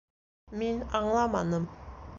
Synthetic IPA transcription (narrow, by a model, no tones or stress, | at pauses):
minɑɴlˠɑmɑnɤm